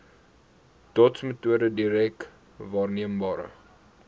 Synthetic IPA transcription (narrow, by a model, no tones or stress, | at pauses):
tɔtsmətuədədiɾɛk̚ | vɑːrniəmbɑːɾə̰